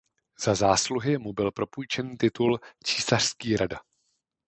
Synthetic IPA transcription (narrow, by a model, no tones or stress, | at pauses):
z̥azaːsluɦɪmubɪlpɾo̞pujt͡ʃɛniːt̪ɪt̪ult͡ʃiːsar̥skiːɾada